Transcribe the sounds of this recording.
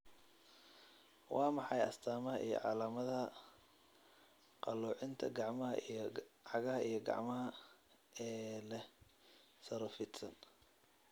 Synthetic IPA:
wʔɑːmɑħɑjɐ̰st̪ʰaːmɐɦɐʔijɔ̰ʕɑ̰laːmɐðɐ | qɑluːʕɪnt̪ʰɐ̰ɡɑʕmɐɦɐ̰ijʕɑɣɐɦɐʔijɞɡɑ̰ʕmɐɦɐ | ɛːlɛ | sɐɾɐfɪt̪sɐn

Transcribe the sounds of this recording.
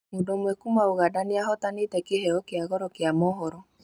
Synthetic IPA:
mondomwɛkumaoɣadaneaɦɔtanetɛkehɛɔkeaɣɔɾɔkeamɔɦɔɾɔ

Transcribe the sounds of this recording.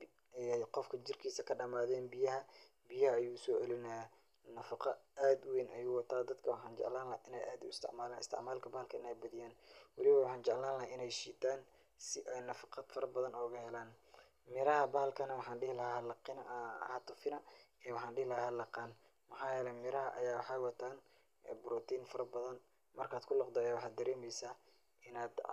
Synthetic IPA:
ɛqɔfkʰɐt͡ʃɪrkʰiːsɐkʰɐɖɐmaːðɛːnbɪjɐɦɐ | bɪjɐhɐːjuːʊsɔːʕɛlɪnɐj | nɐfɑqɐaːd̪weːnʔɐjuːwɑt̪ʰaːd̪ɐd̪kʰɐwɑħɑːnt͡ʃɛ̰ʕlaːnlɐhʔɪnɛjʔaːd̪ʊ̰ɪst̪ɪ̰ʕmaːlaːnɪ̰st̪ʰɪ̰ʕmaːlkʰɐbaːlkʰɐɪnɛjbɐðɪjaːnwɑlɪβɐwɑħɑːnt͡ʃɛʕlaːnlɐhaɪnɛjʃiːt̪ʰaːn | sɪʔɛjnɐfɑqɑd̪fɐɾɐbɐðɐnɔːɣɐhɛlaːn | mɪɾɐɦɐbɐːlkʰɐnɐwɑħɑːnɖɪhlɐhahɐlɑqɪnhɐt̪ʰʊfɪnɐɛːwɑħɑːnɖɪhlɐɦaːhɐːlɑqɑːn | mɐħɑːjɛːlɛmɪɾɐɦɐʔɐ̰jaːwɑħɑːjwɑt̪ʰaːn | ɛbɾɔt̪ʰiːnfɐɾɐbɐðɐn | mɐrkʰaːd̪kʰʊlɑqd̪ɔjaːwɑħɑːd̪ɐɾɛːmɛjsaː | ɪnaːd̪

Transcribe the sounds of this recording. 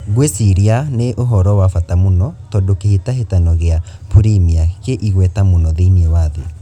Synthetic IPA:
ɣwesiɾianeʔoɦɔɾɔwafatamonɔtɔndokehitaɦetanɔɣeapuɾimiakeʔiɣwɛtamonɔðiniewaðe

